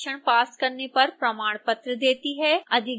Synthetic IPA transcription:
ʃəɽ̃paːskɐɾnepɐɾpɾɐmaːɽ̃pɐt̪ɾəd̪eːt̪iɦɛːɐd̪ʱɪ

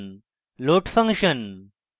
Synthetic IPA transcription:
n | loːʈfɐ̃ŋkʂən

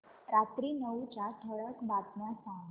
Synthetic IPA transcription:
ɾat̪ɾinəʋut͡ɕat̪ʰəɭəkbat̪nasã

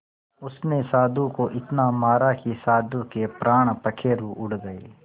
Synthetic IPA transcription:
ʊsmesaːd̪ukoʔɪt̪namaːɾakisaːd̪ũkepɾaːɽ̃pɐkʰeɾuːʔʊɽɡɐḛː

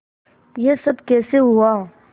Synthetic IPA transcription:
jesɐbkɛːseɦʊaː

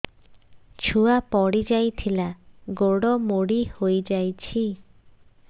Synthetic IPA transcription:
t͡ʃʰuapɔɽid͡ʒajt̪ʰilaɡoɽɔmoɽihojd͡ʒajt͡ʃʰi

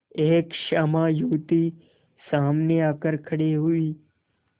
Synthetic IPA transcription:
eːkʃəmãjuːt̪i | saːmneakəɾkʰəɽeɦuiː

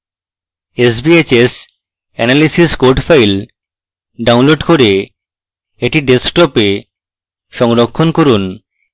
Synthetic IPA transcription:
esbiet͡ɕes | ɛnalisiskoɖfʰajl | ɖawnloɖkoɾe | eʈiɖesʈɔpe | ʃɔŋɾokʰːonkoɾun

